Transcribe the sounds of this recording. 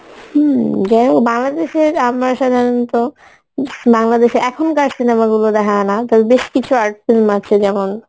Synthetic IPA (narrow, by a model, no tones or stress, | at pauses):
hm̩d͡ʑɛobaŋlad̪eʃeɾamaɾʃad̪ʱaɾont̪o | baŋlad̪eʃeɾɛkʰonkaɾsinamaɡulod̪ɛkʰanat̪abebeʃkit͡ɕʰuaɾʈsilmat͡ɕʰed͡ʑɛmon